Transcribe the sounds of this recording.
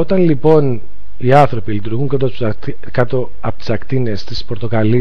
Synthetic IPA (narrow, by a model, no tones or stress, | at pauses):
o̞t̪ɐnlipo̞n | iɐnθɾo̞pilit̪uɾɣuŋkɐt̪os | i | kɐt̪o̞ | ɐpot̪i̥sɐkt̪inest̪ispoɾt̪o̞kɐli